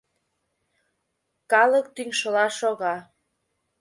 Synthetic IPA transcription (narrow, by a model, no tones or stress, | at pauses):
kɑlək̚t̪yŋʃəlɑʃoɣɑ